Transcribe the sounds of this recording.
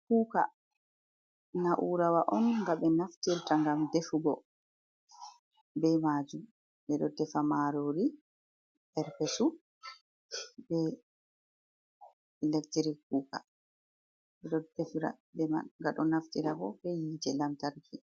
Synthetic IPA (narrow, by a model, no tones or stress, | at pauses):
kuːka̰ | naʔuɾawaʔɔnŋɡabɛnaftiɾtaŋɡamdefuɡɔ | bɛmaːd͡ʒum | bɛɗɔtɛfamaɾoɾi | bɛɾpɛsu | bɛ | lektiɾik̚uːka̰ | ɛɗɔdefɾa̰ | bɛmaŋɡaɗɔnaftiɾaɡɔbɛjiːtɛlamtaɾkʰi